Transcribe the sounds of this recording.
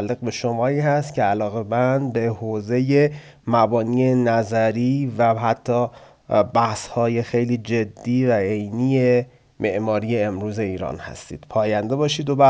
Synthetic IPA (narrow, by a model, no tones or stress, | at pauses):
lːeɣbe̞ʃo̞mɒːiːhæst̪cʰeælɒːɣe̞bænbe̞hoːze̞je̞ | mæbɒːniːje̞næzæɾiːvæɦæt̪ʰːɒː | bæhshɒːje̞xe̞jliːd͡ʒe̞d̪ːiːvæe̞jniːje̞ | mʔe̞ʔmɒːɾiːje̞ːmɾuːze̞iːɾɒ̰ːnhæ̰st̪ḭːd̪̥pʰɒːjænd̪e̞bɒːʃiːd̪obæ